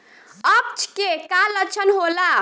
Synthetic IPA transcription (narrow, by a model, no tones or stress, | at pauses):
əp̚t͡ʃʰkekalət͡ʃʰənɦola